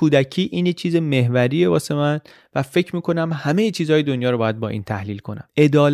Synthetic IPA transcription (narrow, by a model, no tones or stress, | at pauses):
uːd̪ækʰiːʔiːnjet͡ʃʰiːzeme̞ɦvæɾiːe̞bɒːse̞mæn | væfe̞cʰmiːko̞næmhæmejet͡ʃʰiːzhɒːjed̪onjɒːɾobɒːjæd̪̚bɒːʔḭːnt̪ʰæhliːlkʰo̞næ̰me̞d̪ɒːl